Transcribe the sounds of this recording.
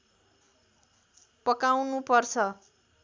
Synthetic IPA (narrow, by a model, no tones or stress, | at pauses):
pʌkawnupʌrt͡sʰʌ